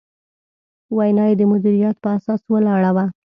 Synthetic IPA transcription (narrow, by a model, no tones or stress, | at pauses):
wajnɑjed̪əmʊd̪iɾijat̪pəasɑswəlɑɽawa